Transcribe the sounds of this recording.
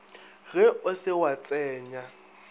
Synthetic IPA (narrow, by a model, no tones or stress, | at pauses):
ɣɛʊsɪwat͡sʼɛːɲa